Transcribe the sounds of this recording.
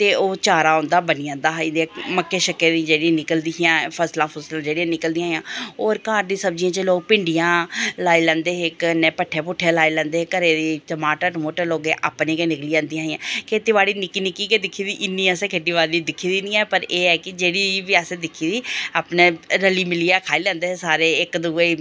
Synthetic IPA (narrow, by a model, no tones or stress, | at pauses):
t̪eːoːt͡ʃaːɾaːʊ̃nd̪aːbəniːãːd̪aːɦid̪ːməkːeːʃəkːeːd̪ĩd͡ʒeːɽiãːnɪkəld̪ijãːpʰəslãːpʰəslãːd͡ʒeːɽiãːnɪkəld̪ijãɦjãːoːɾkaːɾd̪iːsəb̚d͡ʒiãːt͡ʃəloːɡ̚pɪɳɖɪjãːlaːiːlɛ̃ːnd̪eːɦɪknɛːpəʈʰːeːpʊʈʰːeːlaːiːlɛ̃ːnd̪eːkəɾeːd̪it̪əmaːʈəʈmoːʈəɾloːɡeːʔa̰ːpneːkeːnɪkliːãːnd̪ijãːɦijãːkʰeːʈ̪iːʋaːɽiːnɪkiːnɪkiːkeːd̪ɪkʰːiːd̪iːʔɪnːĩːəsẽːkʰeːʈiːʋaːd̪iːd̪ɪkʰːiːd̪iːniːɛːpəɾeːɛːkɪd͡ʒeːɽiːʋɪaːsẽːd̪ɪkʰːiːd̪iːaːpneːɾəliːmɪlijaːkʰaːiːlɛ̃ːnd̪eːsaːɾeːɪkd̪uːe